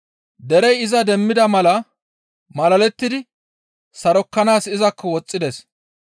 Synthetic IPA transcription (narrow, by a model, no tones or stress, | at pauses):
d̪ɛɾɛjɪzɐd̪ɛmːɪd̪ɐmɐlɐ | mɐlɐlɛt̪ːɪd̪ɪ | sɐɾɔkːɐnaːsɪzɐkːɔwɔt͡sʼːɪd̪ɛs